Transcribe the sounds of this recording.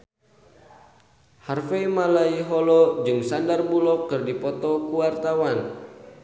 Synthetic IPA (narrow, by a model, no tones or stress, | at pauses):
harfeimalaiɦɔlɔd͡ʒɨŋsandarbulɔkːɨrdipɔt̪ɔkuwart̪awan